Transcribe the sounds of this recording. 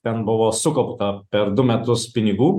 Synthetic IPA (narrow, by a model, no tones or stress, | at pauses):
t̪ʲɛnbʊʋoːsʊkɐʊpt̪ɐpʲɛɾd̪ʊmʲɛt̪ʊspʲɪnʲɪɡuː